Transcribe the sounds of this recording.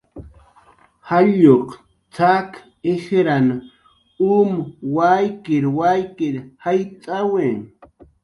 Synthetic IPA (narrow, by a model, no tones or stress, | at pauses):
haʎoq | t͡sak | exɾana | umwajkɪɾwajkɪɾhajt͡sʼawe